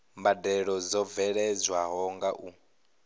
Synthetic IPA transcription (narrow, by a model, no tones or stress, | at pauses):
mbadɛɺɔzɔvɛɺɛd͡zwaɦɔŋɡaʔu